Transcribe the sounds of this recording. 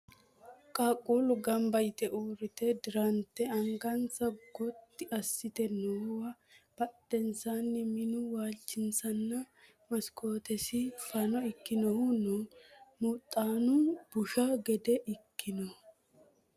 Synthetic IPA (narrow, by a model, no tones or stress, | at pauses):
kʼaːkʼːulʊɡɐmbɐjt̪ɛʔuːɾɪt̪ɛd̪ɪɾɐnt̪ːɛɐŋɡɐnt͡sːɐɡɔt̪ːɪɐsːɪt̪ɛnowɐb̥ɐt̪ʼːɛnt͡sanːɛmɪnʊwaːlt͡ʃːɪnt͡sɐnːɐ | mɐskʰo̞ːt̪ɛsɪfɐnɔɪkːɪnɔhʊnɔmut̪ʼːaːnʊb̥ʊʃɐɡɛd̪ɛʔɪkːɪnɔ